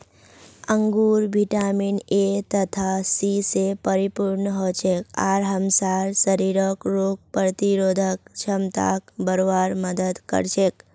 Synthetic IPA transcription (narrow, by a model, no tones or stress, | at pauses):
əŋɡuɾʋiʈaminet̪ət̪ʰasisepəɾipuɾnəɦot͡ʃʰekaɾɦəmsaɾsəɾiɾəkɾok̚pɾt̪iɾod̪ʱək̚t͡ʃʰəmt̪a̰k̚bəɾoʋaɾməd̪əd̪kə̰ɾʃek